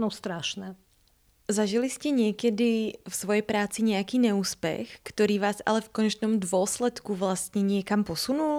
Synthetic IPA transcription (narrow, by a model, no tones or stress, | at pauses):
nɔst̪ɾaʃnɛ | zaʒiliscɛɲɪɛkɛd̪ifsʋɔjɛjpɾaːt͡siɲɛakiːɲɛuːspɛ̰xkt̪ɔɾiːʋaːza̰lɛfkɔɲɛt͡ʃnɔmd̪ʋʊɔslɛt̪kuʋlast̪ɲɛɲɪɛkampɔsunul